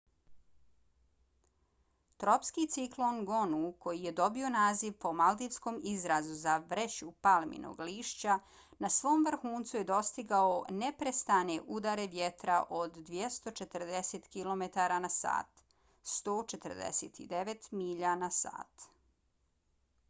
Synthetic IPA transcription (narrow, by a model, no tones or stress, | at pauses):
t̪ɾopskit̪siklˠo̞nɡo̞nuko̞jije̞d̪o̞bio̞naːziʋpo̞mald̪iʋsko̞mizɾazuzaʋɾet͡ɕupalˠmḭnʔo̰ɡliːʃt͡ɕa | nasʋo̞ːmʋr̩xuːnt̪suje̞d̪o̞st̪iɡaonepɾest̪aneʔud̪aɾe̞ʋjet̪ɾaʔod̪ːʋje̞st̪o̞t͡ʃet̪ɾ̩d̪eset̪kilo̞met̪aɾanasa̰ːt̪ | st̪oːt͡ʃet̪ər̩d̪ḛsḛt̪ḭd̪eʋet̪miʎanasa̰ːt̪